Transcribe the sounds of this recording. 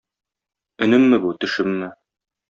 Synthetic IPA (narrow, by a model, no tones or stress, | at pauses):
ɵ̆nɘ̆mːɘbut̪ɵ̆ʃɘmːɘ